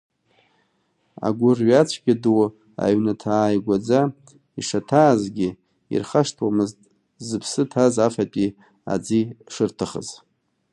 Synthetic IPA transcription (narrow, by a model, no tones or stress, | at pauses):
a̰ɡʷʊrɥat͡ɕʷʰɡʲadɨw | a̰ɥnatʰaːjɡʷad͡za | iʂatʰaːzɡʲɪ | ḭrχaʂtʰwamɨztʼ | zɨpʰsɨtʰazafapʼi | a̰d͡ziʂɨrtʰɨχə̰z